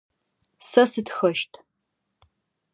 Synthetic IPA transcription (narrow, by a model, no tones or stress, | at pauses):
sɐsitxɐʃtʰ